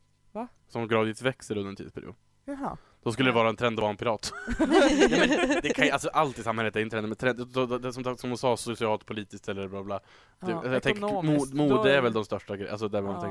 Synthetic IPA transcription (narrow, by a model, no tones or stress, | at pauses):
sɔmɡɾɑːvɪt̪vɛksəɾɵnd̪ɾɛnt̪ḭːd̪spɛ̰ɾɪ̰ṵːd̪ | d̪̥ɔskɵlːəd̪ɛvɑːɾaɛnt̪ʰɾɛnd̪bɑːnpʰɪɾɑːt̪ | mɛnd̪ɛkʰanjalsɔʔalt̪ɪsamhɛlət̪ɛɾɪnʰɾɛnəmɛt̪ʰɾɛnd̪dɔd̪d̪ɛsɔmd̪saksɔmnsɑːsʊsɪɑːlt̪̚pʰʊliːt̪ɪsk̚t̪ɛlːəɾblɑːblɑː | ɛjɑɡt̪ɛŋkmumuːdd̪əæɾvɛld̪ɔmst̪œʂʈaɡɾɛʔa̰lsɔd̪æɾmant̪ʰɛŋ